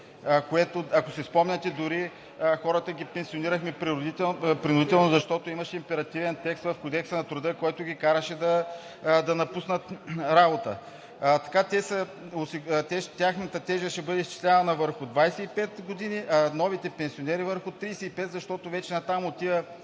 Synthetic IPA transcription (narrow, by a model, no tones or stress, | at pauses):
koɛt̪oɐkosispɔmnʲɐt̪ɛd̪ʊɾi | xɔɾət̪əɡʲipɛnsioniɾəxmɛpɾid̪it̪ɛpɾinʊd̪it̪ɛlˠnozɐʃt̪ɔt̪oimɐʃɛimpɛɾɐt̪ivɛnt̪ɛkst̪vɐfkod̪ɛksənɐt̪ɾʊd̪əkoɛt̪ʊɡʲikaɾəʃɛd̪ɐ | d̪ɐnɐpusnət̪ɾabot̪ə̰ | t̪ɐ̥kat̪ɛsɐosit̪ɛt̪ʲjaxnət̪ɐt̪ɛʒəʃɛbɤd̪ɛist͡ʃi̥slʲavɐnəvəɾxʊd̪vajsɛipɛt̪ɡod̪iniʔnɔvit̪ɛpɛnsionɛɾivəɾxʊt̪ɾijsɛipɛt̪zɐʃt̪ɔt̪ʊvɛt͡ʃɛnɐt̪amot̪ijə